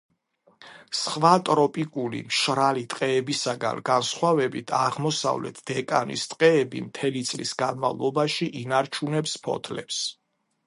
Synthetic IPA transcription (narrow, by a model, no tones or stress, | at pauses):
sχvat̪ʼɾɔpʼikʼulḭmʃɾalit̪ʼqʼɛːbisaɡa̰nɡansχwavɛbit̪ʰaʁmɔsa̰vlɛ̰t̪ʰd̪̥ɛkʼa̰nḭst̪ʼqʼɛːbḭmt̪ʰɛlit̪sʼlḭsɡanmavlˠɔbaʃiʔinaɾt͡ʃʰunɛpspʰɔ̰t̪ʰlɛps